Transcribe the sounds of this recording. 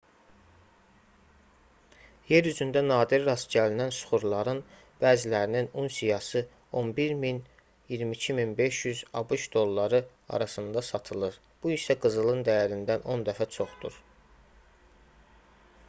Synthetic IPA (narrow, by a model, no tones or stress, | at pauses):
je̞ɾyzynd̪ænɑːd̪iɾːɑsɟælinænsu̥χuɾlˠɑɾɯn | b̥æːzilæɾininunsijɑsɯ | o̞nbiɾmin | jiɾmicʰiminbe̞ʃjyzɑbuʃd̪o̞lˠːɑɾɯ | ɑ̰ɾɑsɯnd̪ɑsɑt̪ʰɯlˠɯɾ | b̥uiʃsæɡɯzɯlˠɯnd̪æjæɾind̪æno̞nd̪æfæt͡ʃʰo̞χd̪̥ṵɾ